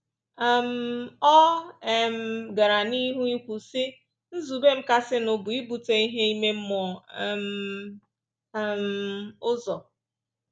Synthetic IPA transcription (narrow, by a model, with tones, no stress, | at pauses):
a˨m̩˨˦ɔ˦e˨m̩˦ɡa˨ɾa˨ni˦ɦu˦i˦kʷu˨sɪ˦ | n̩˦zu˨be˦m̩˦ka˦sɪ˦nʊ˨bʊ˨i˦bu˨te˨i˦ɦe˦i˦me˦m̩˦mɔ˨m̩˨ | m̩˨ʊ˦zɔ˨